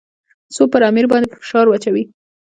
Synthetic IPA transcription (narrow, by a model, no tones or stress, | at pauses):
sopəɾamiɾbɑnd̪epəfɪ̥ʃɑɾwat͡ʃawi